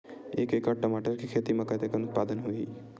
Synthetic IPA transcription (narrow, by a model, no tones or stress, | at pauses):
ekekəʈəmaʈəɾkikʰet̪imãkət̪ekənʊt̪̚pad̪ənɦoi